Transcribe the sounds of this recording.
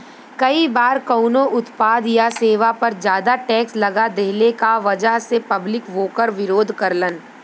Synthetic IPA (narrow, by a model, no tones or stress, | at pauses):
kɐibaːɾkɐːnoʔʊt̪paːd̪jaseːʋapɐɾd͡ʒjaːd̪aʈɛːkslɐɡad̪eːlekaʋɐd͡ʒaɦsepɐblɪkʋoːkəɾʋɪɾoːd̪ʱkɐɾlən